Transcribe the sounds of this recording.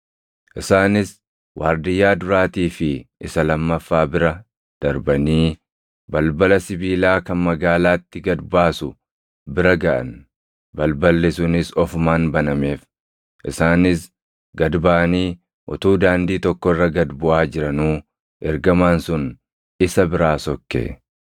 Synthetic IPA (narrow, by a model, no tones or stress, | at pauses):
ʔɪsaːnɪs | wʔaːɾd̪ɪjːaːd̪ʊɾaːt̪iːfɪʔɪsɐlɐmːɐfːaːbɪɾɐ | d̪̥ɐɾbɐniː | bɐlbɐlɐsɪbiːlaːkɐnmɐɡaːlaːt̪ːɪɡɐd̪baːsʊ | bɪɾɐɡɐʔɐ̰n | bɐlbɐlːɪsʊnɪsɔfmaːnbɐnɐme̞ːf | ʔɪsaːnɪs | ɡɐd̪baʔɐniː | ʔɔt̪uːd̪aːnd̪iːt̪ɔkːɔrːɐɡɐd̪bʊʔaːd͡ʒɪɾɐnuː | ʔɛɾɡɐmaːnsʊn | ɪsɐbɪɾaːsɔkːḛː